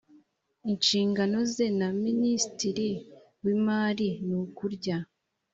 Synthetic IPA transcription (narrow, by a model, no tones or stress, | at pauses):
inʃiːŋɡano̞ze̞naministiɾi | wimaːɾinukuɾɟa